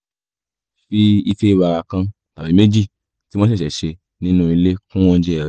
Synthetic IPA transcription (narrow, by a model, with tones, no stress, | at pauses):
fi˦i˧fe˦˧˦ba˧ɾa˧kã˧ | ta˨bi˨˦me˦d͡ʒi˦˨ | ti˦w̃ɔ̃˦i˦˨ʃɛ˨ʃe˧ | nĩ˦nũ˦i˧le˦kũ˦w̃ɔ̃˦d͡ʒɛ˦ɛ˨ɾɛ˨